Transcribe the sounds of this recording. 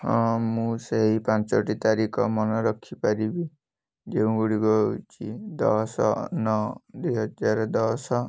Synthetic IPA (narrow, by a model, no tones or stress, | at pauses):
musʌɦipãnt͡sɔʈit̪aɾikʌ̰mʌnʌɾʌkʰːipaɾibi | d͡ʒeũɡuɽiɡɔt͡ʃʰid̪ʌsʌ̰nʌd̪ujɦʌd͡zaɾd̪ʌsʌ